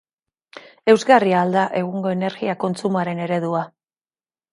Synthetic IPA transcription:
e̞wzɣariald̪aʔe̞ɣ̞uŋɡo̞e̞ne̞ɾɣiako̞nt͡sumaɾe̞ne̞ɾe̞ðua

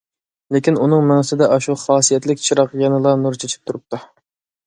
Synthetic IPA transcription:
lekʲinunɨŋmɛŋɨsɨd̪ɛʔɑʃuχɑːsijɛt̪lɪkʲt͡ʃʰiɾɑqjɑnɨlˠɑnuɾt͡ʃʰet͡ʃʰi̥p̚t̪ʰuɾup̚t̪ʰu

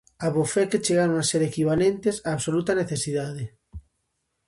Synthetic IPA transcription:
aβofɛket͡ʃeɣaɾoŋaseɾekiβ̞alent̪esaːβsolut̪ɐneθesiðaðe

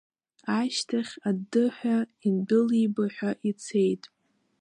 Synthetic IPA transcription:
aʃtʰaχʲadɨħʷᶣaindɨlibaħʷᶣaʔit͡sʰe̞jtʼ

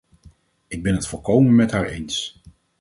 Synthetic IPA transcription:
ɪɡ̚bɛnɦətfɔlˠkowmənmɛtɦaːɹḛjns

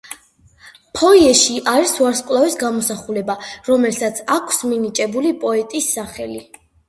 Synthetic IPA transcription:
pʰɔiɛʃiʔaɾisuaɾskʼlˠavisɡamɔsaχulɛbaɾɔmɛlsat̪sʰakʰsminit͡ʃʼɛbulipʼɔɛt̪ʼisːaχɛli

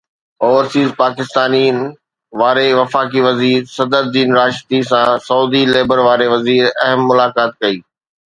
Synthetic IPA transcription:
ɔːʋəɾsiːzpaːkɪst̪aːniən | ʋaːɾeʋɐfaːk̬iʋɐziːɾsɐd̪əɾd̪iːnɾaːʃt̪isãsɐuːd̪ileːbəɾʋaːɾeʋɐziːɾɐɦəmːʊlaːkaːt̪̚kɐiː

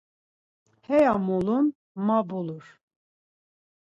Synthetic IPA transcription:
hɛjamɔlun | mabuluɾ

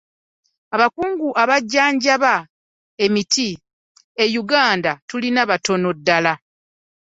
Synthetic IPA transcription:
aβakuːŋɡuʔaβaɟːaːɲɟaβa | e̞miti | e̞juɡaːndatulinaβato̞no̞dːala

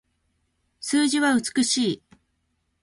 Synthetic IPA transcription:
sɨːʑiβaɯ̟t͡sɨ̥kɯ̟ɕiː

